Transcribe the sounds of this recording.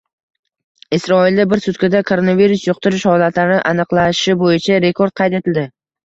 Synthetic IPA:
ɪsɾɒɪld̪abɪɾsʊt̪kʲɪd̪akʰoɾo̞naviɾʊsjoq̚t̪ʊɾɪʃhɒlat̪ʰlaɾnɪʔanɨqlˠaʃɪbojɪt͡ʃʰaɾe̞kʰo̞ɾd̪̚qʰɑjt̪e̞t̪ʰɪld̪ɪ

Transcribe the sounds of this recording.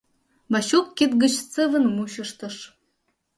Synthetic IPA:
mɑɕukːet̪̚ɡə̆t͡ɕt͡səvə̆nmuɕə̆ʃt̪ɤ̆ʃ

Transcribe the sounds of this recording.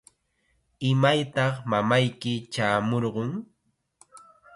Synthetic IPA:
ɪmajt̪ɑχmamajkɪt͡ʃaːmoɾɢʊŋ

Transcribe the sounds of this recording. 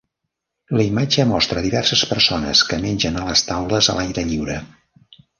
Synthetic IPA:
ləimad͡ʒəmɔst̪ɾəðiβɛrsəspərsonə̰skəmenʲʒənələst̪awləzə̰lajɾəʎiwɾə

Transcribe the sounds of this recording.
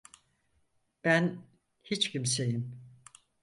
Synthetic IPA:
b̥æn | hit͡ʃcʰims̬e̞jim

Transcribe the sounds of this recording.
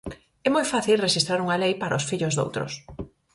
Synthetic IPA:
ɛmojfaθilreʃist̪ɾaɾuŋɐlejpaɾɐosfiʎʊzðo̰wt̪ɾʊ̰s

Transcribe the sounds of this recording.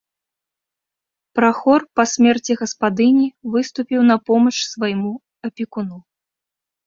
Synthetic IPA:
pɾaxɔrpɐsʲmʲɛrt͡sʲiɣɐspad̪ɨnʲivɨst̪upʲiwnɐpɔmɐt͡ʂsvajmu | ɐpʲikunu

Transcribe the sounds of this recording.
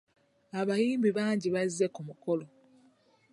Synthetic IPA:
aβajiːmbiβaːɲɟiβazːekumuko̞lo

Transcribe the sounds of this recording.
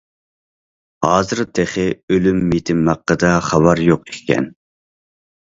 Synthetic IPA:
hɑːzɨɾt̪ʰeχɪølymːet̪ʰɪmːɑqːəd̪ɑχɑwɑɾjoqekʲkʲʰːɛ̰n

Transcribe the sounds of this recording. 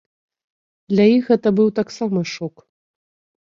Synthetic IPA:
d̪lʲajixɣɛt̪ɐbɨwt̪aksamɐʂok

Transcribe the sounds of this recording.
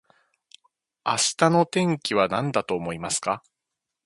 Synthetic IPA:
aɕi̥t̪ano̞t̪ẽ̞ŋkʲiβanãnd̪at̪o̞ːmo̞imasɨ̥ka

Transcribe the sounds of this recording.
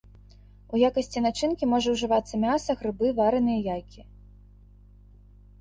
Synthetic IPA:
ujakɐsʲt͡sʲinat͡ʂɨnkʲimɔʐɐwʐɨvat̪sːɐmʲasɐɣɾɨbɨvaɾɨnɨjɐjajkʲi

